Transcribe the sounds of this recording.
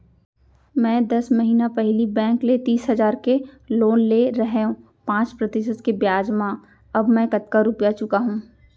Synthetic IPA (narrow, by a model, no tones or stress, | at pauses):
mɛ̃ːd̪ɐsmɐɦiːnapɛɦlibɛ̃ːŋklet̪iːsɦɐzaːɾkeloːnleɾɐɦeõ | pãːt͡ʃpɾɐt̪ɪʃət̪kebjaːd͡ʒmã | ɐbmɛ̃ːkɐt̪̚kaɾʊpjat͡ʃʊkaɦũː